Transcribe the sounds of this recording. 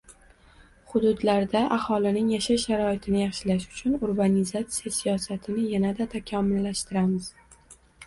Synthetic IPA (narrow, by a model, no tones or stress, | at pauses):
χʊd̪ʊd̪laɾd̪aʔahɒlɪnɪŋjaʃaʃaɾɒɪt̪ʰɪnɪjɑχʃɪlaʃʊ̥t͡ʃʰʊnʊɾbanizat̪sijasijɒsat̪ʰɪnɪjanad̪at̪ʰakʲʰɒmɪlːaʃt̪ɪɾamɪz